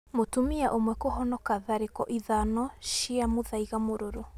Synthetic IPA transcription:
motumiaʔomwɛkoɦɔnɔkaðaɾekɔʔiðanɔʃiamoðaiɣamoɾoɾo

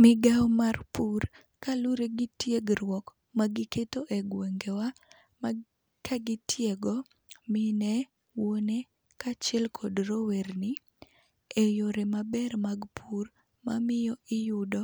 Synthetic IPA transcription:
mɪɡawmarpur | kalʊɾeɡɪtjeɡɾwɔk | maɡɪketoʔeɡweŋɡewa | m | kʰaɡɪtjeɡɔ | mɪnɛ | wone | kat͡ʃɛlkʰɔdɾoweɾnɪ | ejoɾemabɛɾmaɡpʰur | ma̰mɪjɔɪjʊdɔ

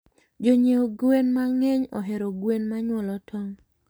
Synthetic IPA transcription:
d͡ʒoɲeoɡwenmaŋɛɲɔ̰ɦɛɾoɡwenmaɲwɔlɔtʰɔŋ

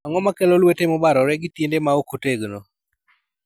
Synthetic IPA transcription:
aŋɔmakɛlɔlwetemɔbaɾɔɾɛɡɪtjendemaokoteɡno

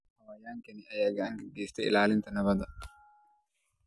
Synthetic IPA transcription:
ɐwɐjaːŋkɛnɪʔɐjaɡɐɐŋɡɐɡeːst̪ɛɪ̰laːlɪnt̪ɐnɐβɐd̪ɐ

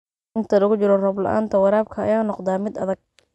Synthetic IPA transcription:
ɪnt̪ʰɐlɐɣʊt͡ʃɪɾɔrɐblɐ̰ʔa̰ːnt̪ʰɐwɑɾaːbkʰɐ̰ːjaːnɔqd̪aːmɪd̪ɐðɐɡ̚

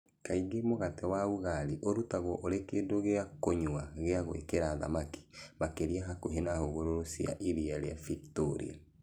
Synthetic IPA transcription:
kaiɣemoɣatɛwauɣaɾiʔoɾutaɣwɔʔoɾekedoɣeakoɲwaɣeaɣwḛkeɾaːða̰maki̥makeɾiaɦakoɦenahoɣoɾoɾosia̰ʔiɾiaɾeafiktoɾḭa̰

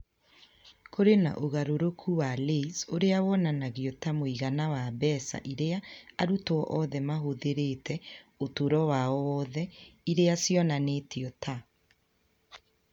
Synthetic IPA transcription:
kʰoɾena̰ʔoɣaɾoɾokʰuwaleisoɾeawɔnanaɣiotamoiɣanawabɛːsa̰ʔiɾeaaɾutoɔʔɔðɛmaɦoðeɾetɛotoɾɔwaɔwɔðɛiɾeasjɔnanetiɔta

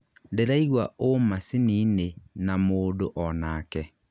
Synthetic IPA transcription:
deɾaiɣwaomasiniːnenamoːdoʔɔnaːkɛ

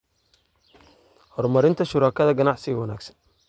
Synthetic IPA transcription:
hɔrmɐɾɪnt̪ʰɐʃʊɾaːkʰɐðɐɡɐnɑʕsɪɣɐwɑna̰ːɡsɐ̥n

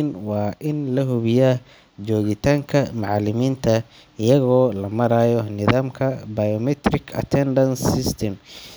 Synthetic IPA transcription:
nwɑːʔɪnlɐɦʊβɪjaː | t͡ʃɔːɣɪt̪ʰaːŋkʰɐmɑʕlɪmiːnt̪ʰɐ | ɪjɐɣɔːlɐmɐɾaːjɔnɪðaːmkʰɐbɐjɔmɛt̪ɾɪkʰɐ̰t̪ʰɛndɐnsɪst̪ʰɛm

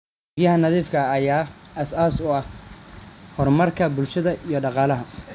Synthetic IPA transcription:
jɐhɐnɐðiːfkʰɐːjaːɐsaːsʊɐh | hɔrmɐrkʰɐbʊlʃɐðɐʔijɞɖɑqɑːlɐɦɐ

